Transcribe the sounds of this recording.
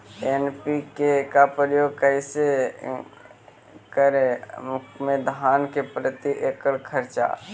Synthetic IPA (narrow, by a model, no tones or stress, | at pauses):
enpikekapɾəjoːɡ̚kəɪse | kəɾemʊkmẽd̪ʱaːnkepɾət̪iʔekəlkʰəɾt͡ʃa̰